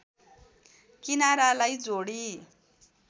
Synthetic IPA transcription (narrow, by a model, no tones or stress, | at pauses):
kinaɾalajd͡zoɽi